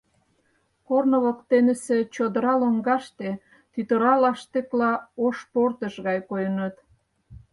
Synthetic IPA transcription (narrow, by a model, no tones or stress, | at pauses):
kornoβokt̪enəset͡ɕod̪əɾɑloŋɡɑʃt̪e | t̪yt̪əɾɑlɑʃt̪eklɑoʃport̪əʃɣɑjkojənət̪